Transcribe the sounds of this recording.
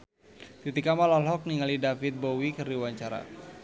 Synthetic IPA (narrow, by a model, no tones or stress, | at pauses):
t̪it̪ikamalalɦɔk̚niŋalidafɪt̪̚bowikɨrdiwaɲt͡ʃaɾa̰